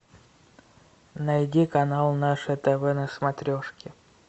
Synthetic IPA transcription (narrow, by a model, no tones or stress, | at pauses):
nɐjdʲikɐnalˠnaʂɛt̪ɛvɛnəsmɐt̪ɾʲoʂkʲɪ